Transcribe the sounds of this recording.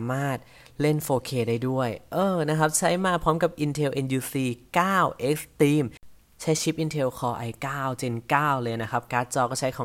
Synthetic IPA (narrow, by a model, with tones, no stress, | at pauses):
maː˥˩t̪̚ | le˥˩nfoː˧kʰeː˧˩daː˥˩jdu˥˩əjʔɤː˧na˦˥kʰa˦˥p̚t͡ɕʰa˦˥jmaː˥˩pʰɾɔː˦˥mka˨˩p̚ʔi˧nt̪ʰe˧wʔe˧njuː˧siː˧˩kaː˥˩wʔe˦˥k̚st̪iː˧˩m | t͡ɕʰa˦˥jt͡ɕʰi˦˥p̚ʔi˧nt̪ʰe˧wkʰɔː˧ʔa˧jkaː˥˩wt͡ɕe˧nkaː˥˩wlɤː˧jna˦˥kʰa˦˥p̚kaː˦˥t̪̚t͡ɕɔː˧kɔː˥˩t͡ɕʰa˦˥jkʰɔː˨˦